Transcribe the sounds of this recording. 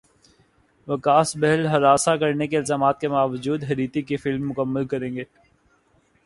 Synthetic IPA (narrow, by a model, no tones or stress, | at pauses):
ʋɐkaːsbɛɦɛlɦɐɾaːsakɐɾnekeɪlzaːmaːt̪̚kebaːʋəd͡ʒuːd̪ɦɐɾiːt̪ikifɪlmːʊkəmːəlkɐɾẽːŋɡeː